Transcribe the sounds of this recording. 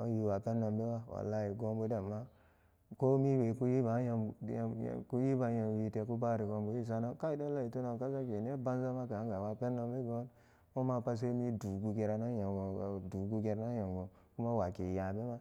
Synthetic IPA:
o̰˦ji˦wa˨pe˦nːo˧mbe˦wa˦wa̰˨la˦ji˨ɡo˦nbu˦da˨mːa˦ | ko˦mi˦we˨ku˦ji˦ba˨˦ja̰˧˨ku˦ji˦ba˨ja˨wi˦te˨ku˦ba˦˨ɾi˨ɡo˧mbu˦ji˦˨s̬a˦na˦ka˦i˨da˦la˦i˨tu˦na˨ka˦sa˦ke˨n˦e˦ba˦n˦za˦ma˦ka˨a˨˦ŋɡa˨wa˨pe˦nːo˦mbe˦ɡo˦n | ko˦ma˦pa˦s̬e˦mi˦du˨ɡu˨ɡe˨ɾa˨na˦ja˨ŋɡo˨du˨ɡu˦ɡe˦ɾa˦na˦ja˨ŋɡo˨ | ku˦ma˦wa˨ke˨ja˨be˦ma˦

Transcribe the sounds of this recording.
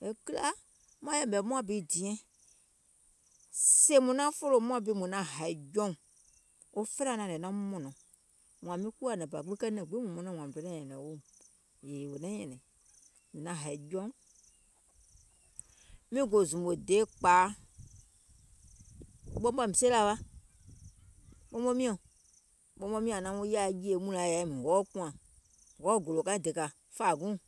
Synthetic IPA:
e˨ki˦la˦ | mã˦jɛ˦˨mbɛ˨mũ˦ã˦bi˦˨di˨ɛ̃˦ | se˦mũ˨nã˦fo˦lo˨mũ˦ã˦bi˨˦˨mũ˨nã˨˦ɦa˨i˨d͡ʒɔ̃˦ŋ˨ | o˦fɛ˦ã˦˨nã˨ɛ˨nã˦mɔ̃˨nɔ̃˨ | ŋũ˨ã˨mĩ˦ku˦a˦˨nɛ̃˨ba˨ɡ͡bi˦kɛ˦nɛ̃˨ɡ͡bi˦mũ˨mɔ̃˨˦nã˦w̃ã˨mĩ˨do˨˦nɛ̃˦˨ɲɛ̃˨nɛ̃˨wo˦m | je˨wo˨nɛ̃˦ɲɛ̃˨nɛ̃˨ | mĩ˨nã˨ɦa˨i˨d͡ʒɔ̃˦ | mĩ˦ɡo˨zũ˨ɓo˨deː˨˦k͡paː˨˦ | ɓɔ̃˦ɓa˧˦˨mĩ˨se˦la˧˨ɓa˦ | ɓɔ˦ɔ̃˦mĩ˦ɔ̃˨ | ɓɔ˧˦ɓɔ̃˧mĩ˦ã˨nã˨˦o˦ja˧˦˨ji˦e˧˨˦mũ˧˦lã˨ja˨i˧˦mĩ˨wɔː˨˦kũ˦ã˨ | wɔː˨˦ɡo˨lo˨kã˦ĩ˦de˨ka˧ | faː˨ɡũ˦

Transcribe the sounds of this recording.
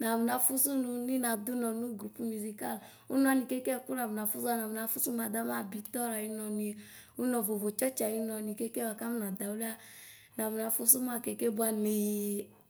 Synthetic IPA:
na˨mu˨na˨fu˦su˦nu˧ni˦na˨du˦nɔ˨nu˦ɡɾu˦pu˦mu˨zi˧ka˦˨l | ṵ˦nɔ˧ni˨ke˦ke˦˨ku˦na˨mu˨na˨fu˦sa˦˨na˨mu˨na˨˧fu˦su˦ma˨da˨˦ma˦˨bi˧tɔ˦ɾa˨i˧nɔ˧ni˧˨ | u˦nɔ˧˨vo˨vo˨t͡ʃɔ˦t͡ʃa˨i˦nɔ˧ni˨ke˦ke˦wa˨ka˦m˦na˨da˨u˦li˦a˦ | na˨mu˨na˨fu˦su˦m˦a˦˨ke˨ke˦bu˦a˧ni˨

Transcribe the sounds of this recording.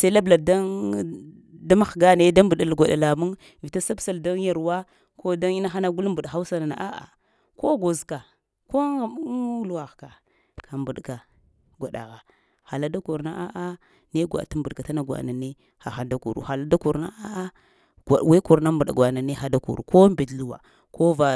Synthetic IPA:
sa˦la˦bla˨da˦n | da˦ma˦xɡa˦ne˦da˦m˦bu˨ɗa˨lɡʷa˨ɗa˨la˨mu˦n | vi˨ta˦sa˦bsa˨lda˦n˦ja˨ɾwa˦ | ko˦da˦ŋi˦na˦xa˦na˦ɡu˦lmbu˨dxa˦u˦sa˦na˨na̰˨ʔa˦ʔa̰˨ | ko˦ɡo˨zka˨ | ko˦ŋa˨mu˦la˨ɣka˨ | kʰa˨mbu˨ɗka˨ | ɡʷa˨ɗa̰˨ɣa˨ | xa˨la˦da˦ku˨ɾna˦ʔa˦ʔa˦ | ne˦ɡʷa̰˨ta˦mbu˨ɗka˨ta˦na˦˨ɡwa̰˨na˨ne˦ | xa̰˨xa˨nda˦kṵ˨ɾṵ˨xa˨la˦da˦ku˨ɾna˦a˦a˦ | ɡa˨wa˦ku˨ɾna˦mbu˨ɗa̰˨ɡʷa˨na˨ne˦xa˨da˦kṵ˨ɾu˨ko˦mbi˨dlu˦wa̰˨ | ko˦va˨

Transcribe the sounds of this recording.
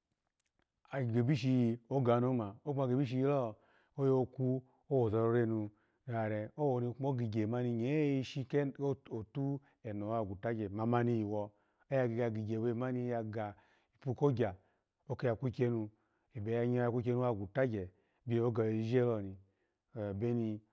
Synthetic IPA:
a˨ɡe˨bi˦ʃi˧o˦ɡa˨no˨˦ma˨o˦a˧˨ɡe˨bi˦ʃ̬i˧ji˧˦lɔ˦˨ | o˦jo˧o˧ku˦ | o˦wo˨zɔ˧ɾo˧˦ɾe˦˨nu˧˦ | a˨ɾɛ˨o˦wo˧ni˧k͡po˦ɡi˨ɡe˨ma˨˦ni˧ɲe˨˦i˧ʃi˧ko˨tu˦ | ɛ˨no˨˦a˨ɡu˨ta˦d͡ʒɛ˨ma˧ma˧ni˧i˨wɔ˧ | e˦ja˧ɡi˧˨ɡa˧ɡi˨ɡe˨we˧˦˨ma˦ni˧˦ja˧ɡa˨ | i˨pu˧ko˦ɡʲa˨ | o˦ke˧˦a˨kʷu˦kʲe˧nu˧ | e˨be˨ja˧ɲ˦˧˦ja˧˨kʷu˦ke˧nu˧˦a˧˨ɡu˨ta˦d͡ʒɛ˨ | bʲe˧˦o˦ɡa˧˨˧i˦ʒe˦lɔ˧˨ni˨ | be˦ni˧

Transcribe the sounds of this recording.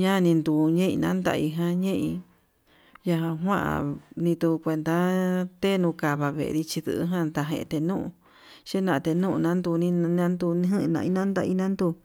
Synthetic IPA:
ɲã˦˧nĩ˧nd̪u˧˨ɲẽ˦ḭ̃˧nã˦nd̪a̰˧i˧ɦã˧ɲẽ˦ʔĩ˧ | ja˧ɦã˧ɦwã˦ʔa̰˧˨nĩ˧t̪u˧kʷe˧nd̪a˧t̪e˦˧nũ˧ka˨βa˧βḛ˨˧ɾi˧t͡ʃi˧ðɨ̰˧ʔɦã˦˧t̪a˧ɦḛ̃˧ʔt̪e˧nũ˦ʔṵ̃˧ | ʃe˦nã˧t̪e˧nũ˦ʔnã˦nd̪u˧nĩ˧nã˦nd̪u˧n˧˦ɦɨ̃˦˧nã̰˧ʔĩ˧nã˦nd̪a̰˧ḭ˧nã˦nd̪u˧

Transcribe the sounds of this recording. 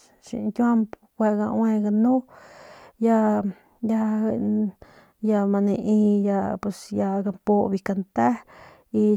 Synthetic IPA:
ʃḭ˧tʲu˦a˦mp | kʷe˧ɡã˧w̃ẽ˧ɡa˧nũ˦ | ja˧ | ja˧ | ja˧mã˧nẽ˧ʔĩ˧ja˧pe˧sja˧ɡa˧mpo˧βi˧ka˧nt̪a˦ | i˧

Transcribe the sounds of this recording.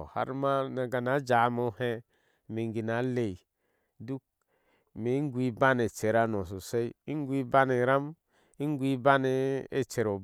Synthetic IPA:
ha̰˦ɾma˦na˨ɡa˨na˨˦d͡ʒa˨˦mo˦he˦ | mi˨ŋɡi˨na˨˦le˨i˨ | du˦k̚ | me˨˦ŋ˦ɡʷi˦ba˦ne˨t͡ʃe˨ɾa˦no˨s̬o˨se˦i˦i˦ŋ˦ɡʷi˦ba˦ne˨ɾa˦m | i˦ŋ˦ɡʷi˦ba˦ne˨˦ḛ˨t͡ʃe˨ɾo˨b

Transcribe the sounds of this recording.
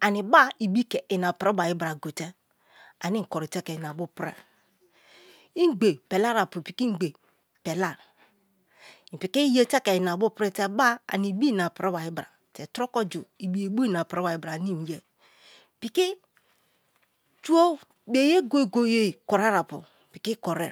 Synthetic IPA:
a˨ni˨ba˦i˨bi˦kɛ˨i˨na˨pɾɛ˦ba˨ji˦bɾa˨ɡo˨te˦ | a˨ni˦˨kɔ˨ɾi˨tɛ˦kɛ˨i˨na˨bu˦pɾɛ̰˨ | i˦ɡ͡be˨pɛ˨la˦ɾa˨pu˨pi˨ki˦ɡ͡be˨ | pɛ˨la˦˨ | i˨pi˨ki˦je˦tɛ˦kɛ˨i˨n˨a˨bu˦pɾɛ˦tɛ˦ba˦a̰˨ni˨bi˦˨na˨pɾe˦ba˨ji˦bɾa˨ | te˨tɾɔ˦kɔ˦d͡ʒu˨i˨bi˨je˨bo˦i˦˨na˨pɾe˦wa˨ji˦bɾa˨ni˦˨n˨je˨ | pi˨ki˦ | tu˦o˦ | be˨je˦ɡo˦e˨ɡo˨je˦˨kɔ˨ɾa˦ɾa˨pṵ˨pi˨ki˦kɔ˨ɾɛ˦˨

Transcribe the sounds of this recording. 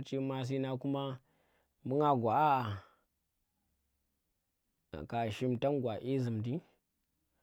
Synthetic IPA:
t͡ʃi˦ma˦s̬i˦na˦ku˦ma˦ | mu˦ŋa˦ɡʷa˨a˦a˨ | ka˨ʃi˦mta˦nɡʷa˨ʔi˦zi˨mdi˦

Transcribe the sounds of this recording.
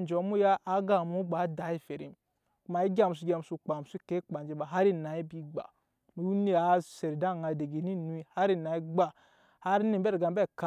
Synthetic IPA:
n˨d͡ʒo˨˦mu˦ja˦ʔa˨˦ɡa˨mu˦ɡ͡ba˨˦da˨˦i˦fe˨ɾḭ˨m | ku˨ma˨i˦ɡa˨mu˨s̬u˦ɡa˨mu˨su˦k͡pa˨m˨su˦ke˦k͡pa˨nd͡ʒi˨ba˨ɦa˦ɾi˦˨na˨˦ji˦bi˦ɡ͡ba̰˨ | mu˨˦u˦ni˦˨a˨˦se˨ɾi˨da˦˨ŋa˨de˨ɡe˨ni˦nu˨˦i˨ha˦ɾi˦˨na˨i˦ɡ͡ba˨ | ha˦ɾi˦ni˦˨˦be˦ɾɡa˨m˨be˦˨ka˦

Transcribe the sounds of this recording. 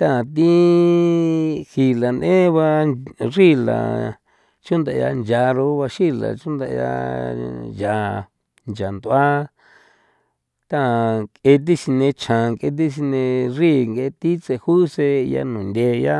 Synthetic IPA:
t̪a˦a˨t̪̬i˦ | hi˨la˨nẽ˦βa˧ri˦la̰˨ | t͡ʃũ˦nd̪a˧ja̰˧nd͡ʒa˧ɾo˧˦βa˧ʃi˦la̰˨t͡ʃũ˦nd̪a˧˨˧ja̰˧ | ja˨˧ | nd͡ʒa˨nd̪u˧a˦ | t̪a˦˨kʼe˧t̪̬i˦si˧nẽ˧t͡ʃʰã˨ke˧t̪̬i˦s̬i˧nẽ˧ri˦˨ŋɡe˧t̪i˦t͡se˧hu˦se˧ja̰˧nũ˨nd̪ʲe˧ja˦

